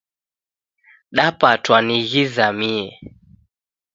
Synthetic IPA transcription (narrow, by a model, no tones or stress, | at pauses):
ɗapatwaniɣizamiɛ